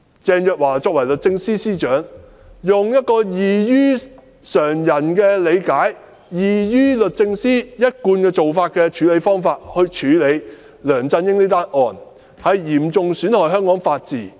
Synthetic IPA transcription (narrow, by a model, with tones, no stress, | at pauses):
t͡sɛː˧njœː˨k̚waː˨˩t͡sɔː˧k̚wɐ˨˩jlɵ˨t̚t͡sɪ˧ŋsiː˥siː˥t͡ʃœː˨˥ŋ | jʊ˨ŋjɐ˥t̚kɔː˧jiː˨˩jyː˥ | sœː˨˩ŋjɐ˨˩nkɛː˧le˨˧jkaː˨˥j | jiː˨jyː˥lɵ˨t̚t͡sɪ˧ŋsiː˥jɐ˥t̚kuː˧nkɛː˧t͡so˨wfaː˧t̚kɛː˧t͡ʃʰyː˨˧le˨˧jfɔː˥ŋfaː˧t̚hɵ˧ɥt͡ʃʰyː˨˧˥le˨˧j | lœː˨˩ŋt͡sɐ˧njɪ˥ŋniː˥t̪aː˥nʔɔː˨˩n | hɐ˨jjiː˨˩mt͡sʊ˨ŋsyː˨˥nhɔː˨˩jɦœː˥ŋkɔː˨˥ŋfaː˧t̚t͡siː˨˩